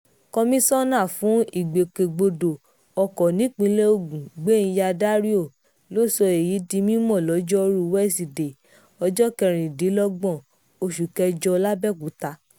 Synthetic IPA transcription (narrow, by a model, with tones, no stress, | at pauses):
kɔ˧mĩ˦sɔ˦nã˦˨fũ˨˦i˦˨ɡ͡be˨ke˨ɡ͡bo˧do˨ | ɔ˧kɔ˨nĩ˨˦k͡pĩ˧˦le˦o˦˨ɡũ˨ɡ͡be˦nĩ˧ja˧da˦ɾi˦o˦˨ | lo˦˨sɔ˧e˨ji˨˦di˧mĩ˦mɔ̃˦˨lɔ˨˦d͡ʒɔ˦ɾu˧wɛ˦˨si˨de˨ | ɔ˧d͡ʒɔ˦kɛ˧˨ɾ̃ĩ˨di˨˦lɔ˦ɡ͡bɔ̃˦˨ | o˧ʃu˨kɛ˧d͡ʒɔ˧la˦bɛ˦˨ku˨˦ta˧